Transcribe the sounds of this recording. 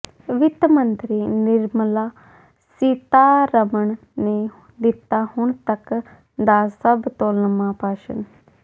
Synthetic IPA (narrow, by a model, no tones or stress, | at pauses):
ʋɪt̪mənt̪ɾiːnɪɾməlaː | sit̪aːɾəməɳ | neː | d̪ɪt̪ːaːhʊɳt̪ək | d̪aːsəbt̪oːlnəmãːpaːʃə̰n